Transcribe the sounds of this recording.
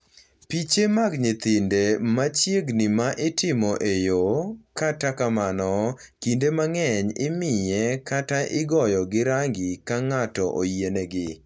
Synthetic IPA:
pit͡ʃemaɡɲɪt̪ɪndemat͡ʃjeɡnimaʔɪtɪmɔʔejokatakamanɔ | kindemaŋɛɲɪmɪjɛkataʔɪɡɔjɔɡɪɾaŋɡikaŋatɔʔo̰jeneɡɪ

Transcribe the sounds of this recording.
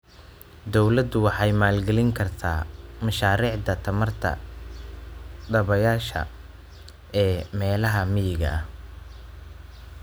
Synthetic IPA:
d̪ɔwlɐd̪ʊwɑħɑjmaːlɡɛlɪŋkʰɐrt̪ʰa̰ːmɐʃaːɾiːʕd̪ɐt̪ʰɐmɐrt̪ʰɐ̰ | ɖ̪ɐβɐjaːʃɐ̰ | ʔɛːmɛːlɐɦɐmɪjɪɣɐ̰h

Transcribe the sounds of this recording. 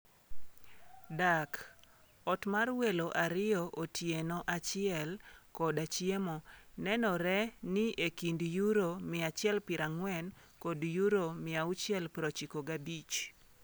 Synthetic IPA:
dak | ɔtmarweloʔaɾɪjɔʔotjenɔʔat͡ʃɪɛlkɔdat͡ʃjemonɛnɔɾɛnɪʔekindjuɾomɪat͡ʃɪɛlpɪɾaŋwɛn | kɔdjuɾomɪaʊt͡ʃjɛlpɾot͡ʃikoɡabit͡ʃ

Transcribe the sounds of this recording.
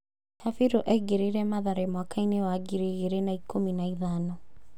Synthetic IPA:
safiɾoʔɛiɡeɾeɾɛmaðaɾemwakainewaɡiɾeɣeɾenaikʰominaiðanɔ

